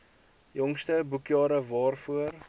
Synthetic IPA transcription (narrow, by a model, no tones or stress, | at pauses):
jɔŋstəbukjɑːɾəvɑːrfuər